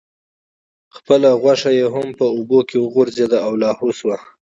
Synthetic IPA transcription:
xpəlaɣwaʂajeɦampəubokewəɣoɾzed̪aawlɑhoswa

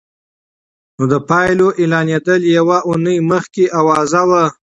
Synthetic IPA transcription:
nod̪əpɑjloʔɪlɑnjed̪əljawaʔunəjməxkeʔawɑzawa

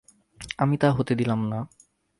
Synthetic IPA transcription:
amit̪aɦot̪ed̪ilamna

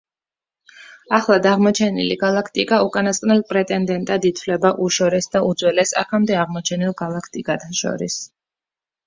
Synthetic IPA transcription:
aχlˠad̪aʁmɔt͡ʃʰɛnḭliɡalˠakʰt̪ʼikʼaukʼanasqʼnɛlˠpʼɾɛt̪ʼɛnd̪ɛnt̪ʼad̪it̪ʰfvlɛbaʔuʃɔɾɛsd̪aud̪zwɛlɛsa̰kʰamd̪ɛaʁmɔt͡ʃʰɛnilˠɡalˠakʰt̪ʼikʼat̪ʰaʃɔ̰ɾis

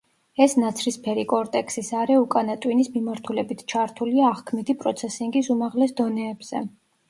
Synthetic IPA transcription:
ɛsnat̪sʰɾispʰɛɾikʼɔɾt̪ʼɛksisaɾɛukʼanat̪ʼwinismimaɾt̪ʰulɛbit̪ʰt͡ʃʰaɾt̪ʰuliaːʁkʰmid̪ipʼɾɔt̪sʰɛsiŋɡisumaʁlɛsd̪ɔnɛːbz̥ɛ̰

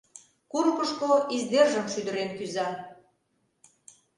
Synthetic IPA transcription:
kurkəʃkoizd̪erʒəmʃyd̪ə̆ɾenkyzɑ

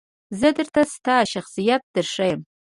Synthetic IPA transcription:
zɨdɨrtʰastʰaːʃaχsijat̚d̥ɨrʂajm

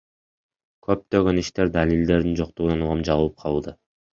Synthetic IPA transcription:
kʰø̞p̚t̪ø̞ɡø̞niʃt̪e̞ɾd̪alʲild̪e̞ɾd̪ind͡ʒo̞q̚t̪uʁunɑnuʁɑmd͡ʒɑvulˠɯp̚qʰɑlˠːd̪ɯ

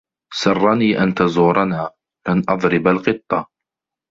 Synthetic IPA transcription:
sɑrˤːɑniːʔant̪azuːɾˤɑnaː | kanʔɑðˤɾɪbalqɨt̪ˤːɑ

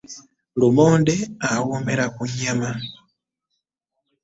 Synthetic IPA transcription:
lumɔndɛawumɛɾakuɲama

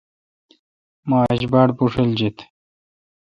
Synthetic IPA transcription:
maːd͡ʑbaːɽpuʂeld͡ʑet̪

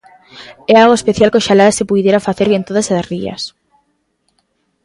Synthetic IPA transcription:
ɛalɣoespeθjalkoʃalaðasɪpujðjeɾafaθeɾβent̪oðasariɐ̰s

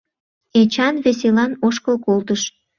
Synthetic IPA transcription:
et͡ɕɑnβes̬elɑnoʃkəlkolt̪əʃ

